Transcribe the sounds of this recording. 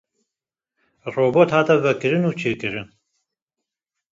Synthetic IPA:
roːboːt̪haːt̪ʰɛvɛkɨɾɨnuːt͡ʃʰeːkɨɾɨn

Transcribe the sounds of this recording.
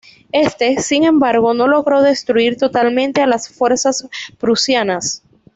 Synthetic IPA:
e̞st̪e̞siŋẽ̞mbaɾɣo̞no̞lo̞ɣɾo̞ðe̞st̪ɾuiɾt̪o̞t̪almẽ̞nt̪e̞alasfwe̞ɾsaspɾusjanas

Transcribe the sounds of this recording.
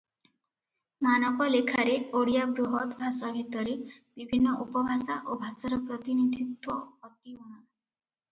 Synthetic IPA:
manɔkɔlekʰaɾeoɽijabɾuɦɔt̪bʱasabʱit̪ɔɾebibʱinːɔʔupɔbʱasaʔobʱasaɾɔpɾɔt̪inid̪ʱit̪wɔɔt̪iuɽ̃ɔ

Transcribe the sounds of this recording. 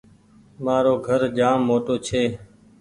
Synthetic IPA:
maːɾoːɡʱəɾd͡ʒaːmːoːʈoːt͡ʃʰeː

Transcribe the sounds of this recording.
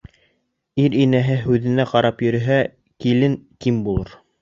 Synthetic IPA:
iɾinæɦɘɦʉðɘ̆næqɑɾɑpjɵ̆ɾɘ̆ɦæ | kilɘŋkimbulˠɤɾ

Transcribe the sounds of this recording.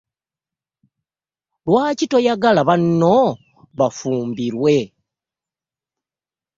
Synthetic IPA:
lwaːcito̞jaɡalaβanːo̞ | βafuːmbiɾwe̞

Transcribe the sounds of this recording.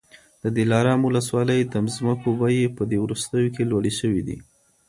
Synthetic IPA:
d̪̥əd̪ɪlɑɾɑmwʊləswɑləjd̪əmzməkobajepəd̪ewɾust̪əjokelwaɽeʃəwid̪ḭ

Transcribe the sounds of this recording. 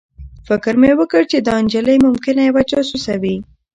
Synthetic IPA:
fɪkəɾmewəkəɽt͡ʃed̪əand͡ʒaləjmʊmkɪnajwat͡ʃɑsusawi

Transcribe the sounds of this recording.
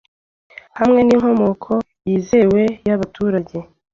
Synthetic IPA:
hamŋe̞niŋɦo̞mo̞kʰo̞jiːze̞we̞jaβatuːɾaɟe̞

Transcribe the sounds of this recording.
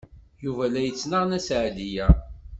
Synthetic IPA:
juvælæjət͡sːnəʁnæsʕdijæ

